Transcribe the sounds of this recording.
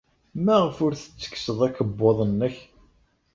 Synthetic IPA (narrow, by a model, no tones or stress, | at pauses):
mæʁəfʊɾθə̥t͡sːə̥ksəðˤækːəbːoðˤənːəç